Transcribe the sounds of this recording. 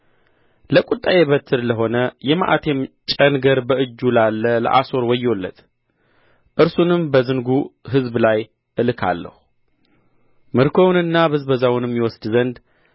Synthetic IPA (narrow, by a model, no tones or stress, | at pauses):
ləkʼut̪ʼːajeβət̪ʰːɨɾləɦo̞nəjɛma̰ʔa̰t̪ʰemt͡ʃʼənɡəɾbəɨd͡ʒːulalːələ̰ʔaso̞ɾwɔjːwolːə̰t̪ | ʔɨɾsunɨmbəzɨnɡuɦɨzblaj | ʔɨlɨkʰa̰lːə̰hu | mɨɾkʰo̞wnɨnːaβɨzbəzawʊnɨmjɛwɔsd̪zənd̪